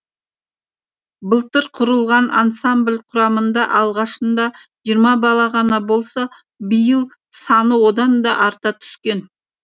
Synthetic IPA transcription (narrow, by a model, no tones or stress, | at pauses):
bəlˠt̪əɾqʰʊɾəlˠʁɑnʔa̰nsamblʲqʰʊɾɑmənd̪ɑʔɑlˠʁɑʃənd̪ɑʒijəɾmɑbɑlˠɑʁɑnɑbo̞lˠsɑ | bəjəlˠ | sɑnəwo̞d̪ɑnd̪ɑʔɑɾt̪ɑt̪ʰʏ̥skʲe̞n